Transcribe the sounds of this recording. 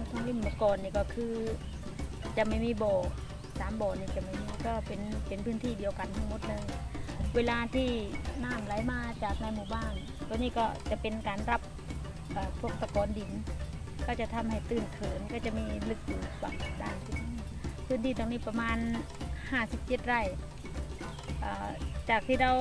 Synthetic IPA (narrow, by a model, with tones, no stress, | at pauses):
t̪ʰɔ˧˨ŋli˧˥˨mːaː˧˨kɔː˨˩nːiː˧˩kɔː˧˩kʰɯː˧ | t͡ɕa˨˩ma˥˩jmiː˧˥˨bɔː˨˩ | saː˨˦mbɔː˨˩niː˧˩t͡ɕa˨˩ma˧˩jmiː˧˥˨kɔː˧˩pe˨npe˨npʰɯː˧˥˨nt̪ʰiː˧˩diː˨˦əwka˨nt̪ʰa˧ŋmo˧˥t̪̚lɤː˧jweː˧laː˧t̪ʰiː˧˩naː˧˥˩mla˨˦jmaː˧t͡ɕaː˨˩k̚naː˧jmuː˧˩baː˧˥˩n | t̪ʰɔː˧niː˧˨kɔː˧˩t͡ɕa˨˧˩ʔpe˨nkaː˨nɾa˧˥p̚ | ʔaː˨˩pʰo˧˩k̚sa˧kɔː˨˦ndi˨˩n | kɔː˧˩t͡ɕa˧˩t̪ʰa˧˨mha˧˨˩jt̪ɯː˧˩nk̪ʰɤː˨˦nkɔː˧˩t͡ɕa˧˨miː˧˩lɯ˧˩k̚duː˨˩pa̰˨˧˩kdaː˧˩nsʰi˧˩t̚ː | pʰɯː˧˥˨nt̪ʰiː˧˩t̪ɔː˧ŋniː˧˩pa˧maː˧n | haː˧˩si˧˦p̚t͡ɕe˧˦t̪̚ɾa˧˩j | ʔaː˧˩t͡ɕaː˨˩k̚t̪ʰiː˧˩ɾa˧˨w